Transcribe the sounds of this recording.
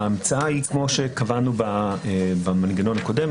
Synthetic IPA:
aːmt͡saahikmo̞ʃekavanubabamanɡano̞nako̞dem

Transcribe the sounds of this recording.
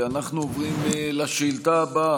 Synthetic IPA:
anaχnuovʁimlaʃilt̪aba

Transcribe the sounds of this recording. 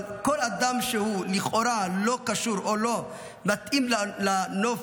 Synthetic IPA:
kolad̪amʃehuliχoɾalo̞kaʃuʁolo̞ | mat̪ʔimlano

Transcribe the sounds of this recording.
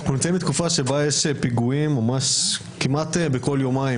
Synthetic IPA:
hunit͡sembit̪kufaʃebajeʃepiɡuimːamaʃ | kimʔat̪beko̞ljo̞maim

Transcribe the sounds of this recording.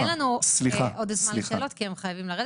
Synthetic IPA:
nlanusliχaʔod̪zmanleːlo̞tkiemχajavimlaʁed

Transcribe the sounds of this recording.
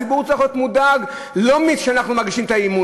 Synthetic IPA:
ibuʁt͡saχjot̪mudaɡ | lo̞mit̪ʃeanaχnumaʁɡiʃimt̪aimu

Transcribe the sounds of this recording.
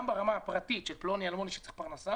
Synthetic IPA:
mbaʁamaapʁat̪it̪ʃelplonialmoniʃe̥t͡se̥χpaʁnasa

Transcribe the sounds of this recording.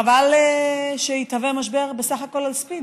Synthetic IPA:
aval | ʃeit̪avemaʃ̬be̞ʁbesaχako̞lalspid

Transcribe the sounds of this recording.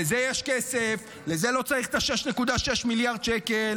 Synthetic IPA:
ezejeʃkesef | leze̞lo̞t͡saʁiχt̪aʃeʃnekud̪aʃeʃmiljaʁd̪̚t͡ʃekel

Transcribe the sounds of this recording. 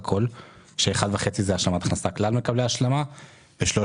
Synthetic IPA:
kʰo̞l | ʃeːχad̪veχe̞t͡sizeaʃlamat̪ḁχnasaklalme̞kableaʃlama | beʃlo

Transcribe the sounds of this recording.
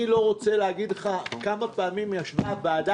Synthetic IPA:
ilo̞ʁo̞t͡seleaɡidleχakamapaːmimjaʃvabaːda

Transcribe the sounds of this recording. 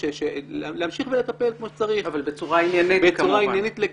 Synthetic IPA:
eʃelealeamʃiχvelet̪ape̞lkmoʃe̥t͡saʁivalbet͡suʁainjanibeuʁainjanit̪le

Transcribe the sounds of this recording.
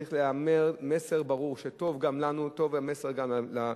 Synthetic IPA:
iχleame̞ʁme̞se̞ʁbaʁuʁʃeto̞vɡamlanuto̞vame̞se̞ʁɡamla

